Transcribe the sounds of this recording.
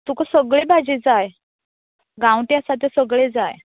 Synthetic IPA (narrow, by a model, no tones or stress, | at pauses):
t̪ukəsəɡɭebad͡ʑid͡zaj | ɡãwʈjasat̪̬esəɡɭed͡zaj